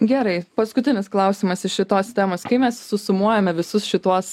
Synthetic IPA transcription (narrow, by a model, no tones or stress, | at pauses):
ɡʲæɾɐɪpɐskʊt̪ʲɪnʲɪsklˠɐʊsʲiːmɐsɪʃʃʲɪt̪oːst̪ʲæːmoːskɐɪmʲɛssʊsʊmuɔjɛmʲɛʋʲɪsʊsʃʲɪt̪uɔs